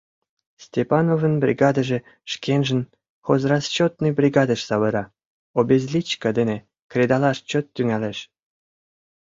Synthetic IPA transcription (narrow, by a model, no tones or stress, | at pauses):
sʲtʲepɑnovənbrʲḭɡɑd̪əʒĕ | ʃkenʒə̆n | χozrɑst͡ɕot̪̚nəjbrʲiɡɑd̪əʃsɑβə̆ɾɑ | obʲezlʲit͡ɕkɑd̪enʲe | krʲed̪ɑlɑʃt͡ɕot̪ːyŋæleʃ